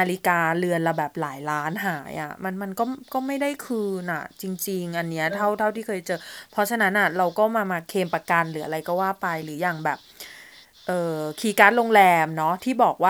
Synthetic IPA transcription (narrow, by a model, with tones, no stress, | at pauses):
naː˧li˦kaː˧lɯ˧ənla˧˩wbɛː˨˩p̚laː˩˦jlaː˦˥nɦaː˩˦jʔa̰˨˩ma˧nma˧nkɔː˥˩kɔː˥˩ma˥˩jda˥˩jkʰɯː˧nʔa̰˨˩t͡ɕi˧ŋt͡ɕi˧ŋʔa˧nːi˦˥ɐt̪ʰa˥˩wt̪ʰa˥˩wt̪ʰiː˥˩kʰɤː˧jt͡ɕɤː˧pʰɔ˦˥t͡ɕʰa˧na˦˥nʔa˨˩ɾa˧wkɔː˥˩maː˧maː˧kʰeː˧mpa˧ka˧nlɯː˩˦ʔa˧ɾa˧jkɔː˥˩waː˥˩pa˧jlɯː˩˦jaː˨˩ŋbɛː˨˩p̚ | ʔɤː˨˩kʰiː˧ka˦˥t̪̚loː˧ŋlɛː˧mnɔ˦˥t̪ʰiː˥˩bɔː˨˩k̚waː˥˩